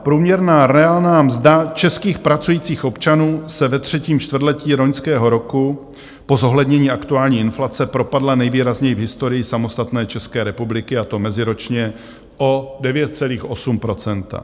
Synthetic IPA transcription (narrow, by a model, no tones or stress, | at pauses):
pɾuːmɲɛɾnaːɾɛaːlnaːmzdat͡ʃɛskiːxpɾat͡sujiːt͡siːxʔo̞pt͡ʃanuːsɛvɛt̪r̝̥ɛciːmt͡ʃt̪vr̩dlɛciːɾoɲskɛːɦo̞ɾo̞ku | po̞zoɦlɛdɲɛɲiːʔakt̪uaːlɲiːɪnflat͡sɛpɾo̞padlanɛjviːɾazɲɛjɪvɦɪst̪o̞ɾɪjɪsamo̞st̪at̪nɛːt͡ʃɛskɛːɾɛpublɪkɪat̪o̞mɛzɪɾo̞t͡ʃɲɛ | ʔo̞dɛvjɛt̪̚t͡sɛliːxʔo̞sumpɾo̞t͡sɛnt̪a̰